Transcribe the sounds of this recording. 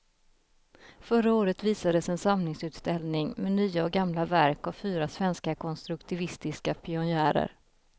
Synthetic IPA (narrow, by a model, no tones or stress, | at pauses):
fœɾaoːɾət̪viːsad̪əsɛnsamnɪŋsʉ̟ːt̪st̪ɛlnɪŋmɛnyːaɔɡamlavæɾkavfyːɾasvɛnskakʰɔnst̪ɾɵkt̪ʰɪvɪst̪ɪskapʰɪʊnjæːɾə̰ɾ